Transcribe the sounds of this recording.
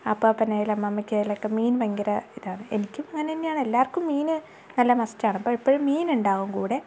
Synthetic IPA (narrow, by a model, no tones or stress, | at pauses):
ɐpːoːpinːeːjilɐmːɐmːɐkʲːejilɐokːemiːnʋɐŋɡiɾɐiðaːɳɨenikʲːumɐŋːɐneinːeaːɳɨe̞lːaːrkːumːiːnɨ | nɐlːɐmɐstːaːɳɐpːoipːoɻumːiːnuɳɖaːɣumkuːɽe